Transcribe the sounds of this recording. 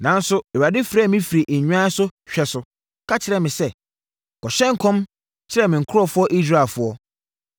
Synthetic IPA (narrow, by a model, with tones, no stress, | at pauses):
nã˨n̩˦sʊ˦ɛ˨a˨dɪ˦fɾaː˦˨mɪ̃˦fi˨ɾi˨ʔe˨ɲᶣ˦ã˦sʊ˦ɕᶣɛ˨sʊ˨ | kʰa˦t͡ɕʰɪ˨ɾɛ˨mɪ̃˨sɛ˦˨ | kʰɔ˨ɕɛ̃˦ŋ̩˦kʰɔ̃˦m | t͡ɕʰɪ˦ɾɛ˨mɪ̃˨ŋ̩˨kʰʊ˦ɾɔ˦fʊ˦ɔ˦ʔi˦sɾaː˦˨fʊ˦ɔ˦